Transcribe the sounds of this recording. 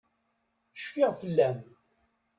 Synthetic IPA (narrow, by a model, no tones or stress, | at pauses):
ʃfɪʁfəlːæm